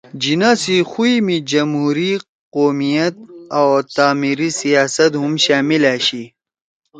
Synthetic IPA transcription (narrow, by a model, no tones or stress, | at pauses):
d͡ʑinasixuimid͡ʑɐmɦuːɾi | qoːmijɐt̪̚awt̪aːmiɾisijaːsɐt̪ɦumɕaːmilaːɕi